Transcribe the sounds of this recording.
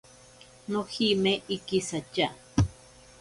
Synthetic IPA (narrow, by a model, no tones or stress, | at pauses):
nohimeʔikisat͡ʃa